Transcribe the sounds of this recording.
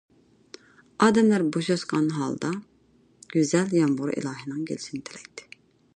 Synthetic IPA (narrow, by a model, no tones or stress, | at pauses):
ɑːd̪ɛmlæɾboʃøsqɑnɦɑ̰ːlˠd̪ɑ | ɡ̥ʲyzæljɑmbuɾḭlˠɑːɦɨnɨŋɡʲʰelɪʃʰinɪt̪ʰelɛk̚ʲt̪ʰːɪ̥